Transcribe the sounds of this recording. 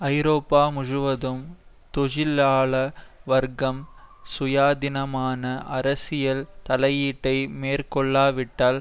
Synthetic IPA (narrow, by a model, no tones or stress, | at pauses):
ɐɪɾoːpːaːmʊɻɯʋɐðɯm | t̪ɔɻɪlaːɭɐʋɐɾɡɐmsʊjaːd̪ɪnɐmaːnɐʔɐɾɐsɪjɐlt̪ɐlɐjiːʈːɐɪmeːrkɔɭːaːʋɪʈːaːl